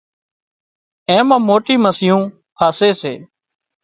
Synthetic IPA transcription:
ẽːmãːmoːʈiːməsɪjũː | kʰaːseːseː

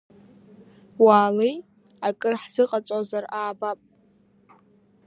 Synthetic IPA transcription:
waːlej | akʼɨrħz̥ɨqʼat͡sʷʼozaraːbapʼ

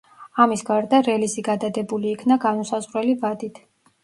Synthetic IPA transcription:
amisɡaɾd̪aɾɛliziɡad̪ad̪ɛbuliːkʰnaɡanusazʁɾɛlivad̪it̪ʰ

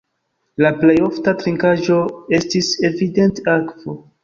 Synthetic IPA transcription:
laplejo̞ftatɾiŋkaʒo̞e̞stise̞vide̞ntakvo̞

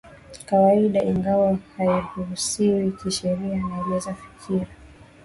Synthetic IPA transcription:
kawaiɗaʔiŋɡawahaihuɾusiwikiʃɛɾianalɛzafi̥kʰiɾa

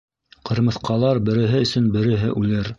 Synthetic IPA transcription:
qɤ̆ɾmɤ̆θqɑlˠɑɾbɘ̆ɾɘ̆ɦɘɵ̆sɵnbɘ̆ɾɘ̆ɦɘʔʉlɘɾ

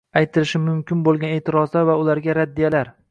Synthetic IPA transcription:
ajt̪ʰɪlɪʃɪmʊmkʲɪnbolˠɡʲaneːt̪ʰɪɾɒzlaɾvaʊlaɾɡʲaɾad̪ːijalaɾ

